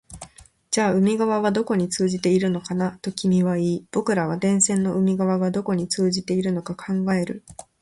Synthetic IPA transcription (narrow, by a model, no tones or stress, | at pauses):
d͡ʑaːɯ̟mʲiɡaβ̞aβad̪o̞ko̞ɲ̟it͡sɨːʑit̪e̞iɾɯ̟no̞kanat̪o̞kʲimʲiβaiːb̥o̞kɯ̟ɾaβ̞ad̪ẽ̞ɰ̃sẽ̞nːo̞ɯ̟mʲiɡaβaɡad̪o̞ko̞ɲ̟it͡sɨːʑit̪e̞iɾɯ̟no̞kakʰãŋɡae̞ɾɯ̟̰